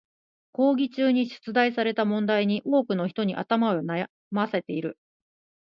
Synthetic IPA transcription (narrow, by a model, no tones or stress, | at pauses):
ko̞ːɡʲit͡ɕɨːɲ̟iɕɨ̥t͡sɨd̪aisaɾe̞t̪amõ̞nd̪aiɲ̟iʔo̞ːkɯ̟no̞çi̥t̪o̞ɲ̟iʔa̰t̪amaona | mase̞t̪e̞iɾɯ̟